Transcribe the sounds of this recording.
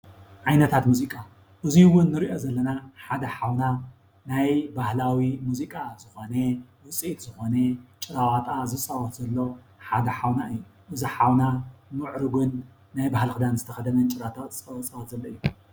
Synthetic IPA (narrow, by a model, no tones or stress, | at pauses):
ʕajnɐt̪ʰat̪muzikʼa | ʔɨziwʊnːɨɾiʔo̞zɐlːɐnaħad̪ɐħawna | najbahlawimuzikʼazɨxo̞newɨt͡sʼiʔit̪zɨxo̞net͡ʃʼɨɾawat̪ʼazɨt͡sʼːawɐt̪zɐlːo̞ | ħad̪ɐħawnaʔɨjːu | ʔɨziħawnamɨʕɾɨɡunː | ajbahlxɨd̪anzɨt̪ʰɐxɐd̪ɐnɐnt͡ʃʼɨɾat̪ʰʼazɨt͡sʼɐwt͡sʼawɔt̪zɐlːɐɨjːu